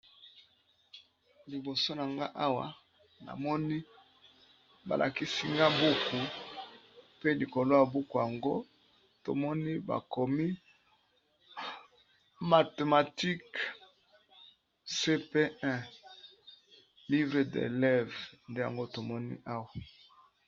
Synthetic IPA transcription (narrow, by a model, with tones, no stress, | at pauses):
li˨bo˨so˦na˨ŋɡa˦ʔa˦wa̰˨ | na̰˨mɔ˦ni˦ | ba̰˨lʔa̰˨ki˦si˦ŋɡa˦bu˦ku˨ | pe˦li˨ko˨lo˦ja˨bu˦ku˨ja˨ŋɡo˦ | to̰˨mɔ˦ni˦ba̰˨ko˨mi˦ | ma˨te˨ma˨ti˦k | se˦pe˦ʔɛ̃˦ | li˦vʁe˨dḛ˨lɛ˦vnde˦ja˨ŋɡo˦to˨mɔ˦nḭ˦ʔa˦wa˨